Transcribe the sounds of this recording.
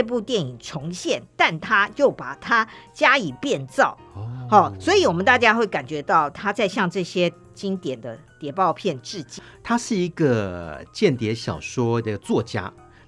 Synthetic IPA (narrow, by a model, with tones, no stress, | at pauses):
p̬u˥˧t̪jɛ˥˩ni˨˩ŋʈ͡ʂʰʊ˧˥ŋɕjɛ˥˩nt̪a˥˩nt̪ʰa˥jo˥˩ʊpa˨˩t̪ʰa˥t͡ɕja˥i˨˩pjɛ˥˧nt͡sɑ˥˩ʊxɑ˥˩swɔ˧˥i˧˩wɔ˨˩mə˨˦nt̪a˥˧˩t͡ɕja˥xwe˥˩ɪka˨˩nt͡ɕɥɛ˧˥t̪ɑ˥˩ʊt̪ʰa˥t͡sa˥˧ɪɕjɑ˥˧ŋʈ͡ʂɤ˥˩ɕjɛ˥ | t͡ɕi˥ŋt̪jɛ˨˩nd̪ə˦t̪jɛ˨˩pɑ˥˧ʊpʰjɛ˥˧nʈ͡ʂɻ̩˥˩t͡ɕi˥ | t̪ʰa˥ʂɻ̩˥˩i˧˥ɡə˨t͡ɕjɛ˥˨˩nt̪jɛ˨˧˥ɕjɑ̰˨˩ʊʂwɔ˥nə˥˧ɡə˨t͡swɔ˥˨t͡ɕja̰˥